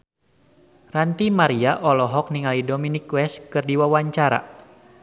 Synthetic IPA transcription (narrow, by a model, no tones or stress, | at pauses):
rant̪imaɾiaʔɔlɔɦɔk̚niŋalidominikwɛskɨrdiwawaɲt͡ʃaɾa̰